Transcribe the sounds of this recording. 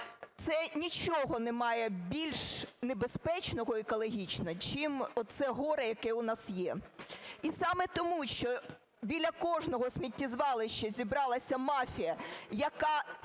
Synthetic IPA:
t̪sɛnʲit͡ʃɔɦɔnɛmɑjɛbʲilʲʃnebespɛt͡ʃnɔɦɔikɔlˠɔɦʲit͡ʃnɐt͡ʃimɔsɛɦɔɾɛjɐkɛʊnɑsjɛ | isɑmɛt̪ɔmuʃt͡ʃɔ | bʲilʲːɐkɔʒnɔɦɔsʲmʲitʲːizʋɑlˠɪʃt͡ʃːɐzʲibɾɑlˠɐsʲɐmɑfʲijɐjɐkɑ

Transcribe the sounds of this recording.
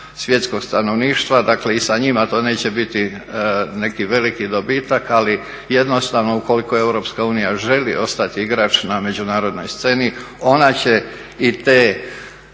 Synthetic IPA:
sʋje̞t̪sko̞ɡ̥st̪ano̞ʋniːʃt̪ʋad̪akle̞isaɲimat̪o̞ːne̞ːt͡ɕe̞bit̪i | ne̞kiʋe̞likid̪o̞biːt̪akali | jed̪no̞st̪aʋno̞uko̞likoe̞wɾo̞ːpskauːnijaʒe̞lḭʔo̞st̪at̪iiɡɾaːt͡ʃname̞d͡ʑunaːɾo̞d̪no̞̰jst̪se̞nio̞nat͡ɕe̞ | it̪eː

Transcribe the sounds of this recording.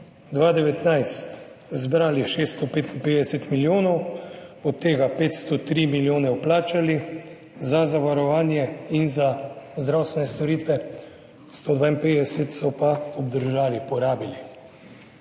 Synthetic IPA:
d̪ʋaːd̪ɛʋɛt̪najst̪ | zbɾaːliʃeːst̪ɔpeːt̪inped̪ɛsɛt̪miljoːnɔwɔt̪ːeːɡapeːt̪st̪ɔt̪ɾiːmiljoːnɛɔplaːt͡ʃali | zazaʋaɾɔʋaːnjɛinzazd̪ɾawst̪ʋɛnɛst̪ɔɾiːt̪ʋɛ | st̪oːd̪ʋaːinpeːd̪ɛsɛt̪sɔpaɔbd̪əɾʒaːlipɔɾaːbili

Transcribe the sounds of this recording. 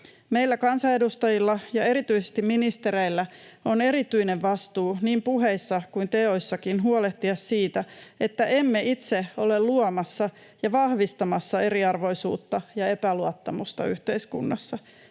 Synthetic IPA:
meilːækɑnsɑe̞dust̪ɑjilːɑjɑe̞ɾit̪yisest̪iminist̪e̞ɾeilːæo̞ne̞ɾit̪yine̞ʋʋɑst̪uːniːmpuɦeisːɑkuint̪eo̞jsːɑkinɦuoleht̪iɑssiːt̪æet̪ːæʔe̞mːeʔit̪se̞o̞lelluomɑsːɑ | jɑʋɑhʋist̪ɑmɑsːɑe̞riɑrʋo̞jsṵːt̪ːɑjɑe̞pæluɑt̪ːɑmust̪ɑ̰yht̪e̞iskṵnːɑsːɑ

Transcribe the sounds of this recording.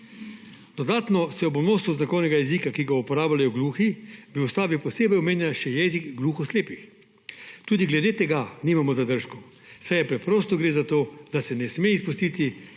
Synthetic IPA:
d̪̥ɔd̪aːt̪nɔsɛɔbɔnoːsuznakɔwnɛɡajɛziːkakiɡaupɔɾaːblajɔɡluːxibiust̪aːbipɔseːbɛjɔmeːnʲjanʃɛjɛːzikɡluːxɔsleːpix | t̪uːd̪iɡlɛd̪eːt̪ɛɡaniːmamɔzad̪əɾʃkɔ | sajɛpɾɛpɾoːst̪ɔɡɾeːzat̪oːd̪asɛnɛsmeispust̪iːt̪i

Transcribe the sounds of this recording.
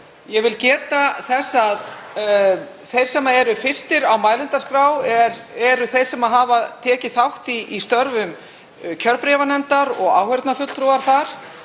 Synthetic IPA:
jɛvɪlcɛːt̪aθɛsːað | θejr̥sɛmːaɛɾʏfɪst̪ɪɾawmaːjlɪnt̪askɾaːwɛɾɛɾʏθejr̥sɛmaðɦaːvat̪ʰɛːcɪθawht̪iʔːst̪œɾvʏm | cʰœɾpɾɛvanɛnt̪aɾɔɣa̰ːwhɛɾt̪nafʏt̪l̥t̪ʰɾuaɾ̥θaɾ̥

